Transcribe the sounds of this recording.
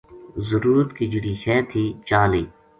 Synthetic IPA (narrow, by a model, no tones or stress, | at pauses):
zəɾuːɾt̪kid͡ʒiɽiːɕɛːt̪ʰiːt͡ʃaːliː